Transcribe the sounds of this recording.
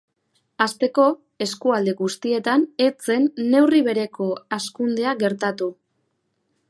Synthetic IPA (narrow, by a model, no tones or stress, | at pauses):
ast̪e̞ko̞ | e̞skuald̪e̞ɣust̪ie̞t̪ane̞t͡se̞nːe̞wriβe̞ɾe̞ko̞askund̪e̞aɡe̞ɾt̪at̪u